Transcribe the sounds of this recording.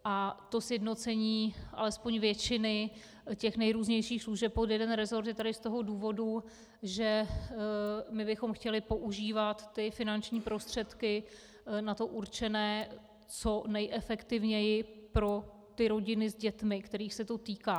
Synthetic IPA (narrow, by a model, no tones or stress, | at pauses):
ʔat̪o̞sjɛdno̞t͡sɛɲiːʔa̰lɛspo̞ɲvjɛt͡ʃɪnɪ | cɛxnɛjɾuːzɲɛjʃiːxsluʒɛp̚pot̪jɛdɛnɾɛzo̞ɾt̪jɛt̪adɪst̪o̞ɦo̞duːvo̞du | ʒɛ | mɪbɪxo̞mxcɛlɪpo̞ʔuʒiːvat̪ːɪfɪnant͡ʃɲiːpɾo̞st̪r̝̥ɛt̪kɪ | nat̪o̞ʔuɾt͡ʃɛnɛː | t͡so̞nɛjʔɛfɛkt̪ɪvɲɛjɪpɾo̞ | t̪ɪɾo̞ɟɪnɪzɟɛt̪mɪkt̪ɛɾiːxsɛt̪o̞t̪iːkaː